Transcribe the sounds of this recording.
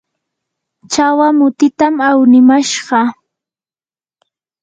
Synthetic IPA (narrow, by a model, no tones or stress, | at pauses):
t͡ʃawamʊt̪ɪt̪amawnɪmaʃɢɑ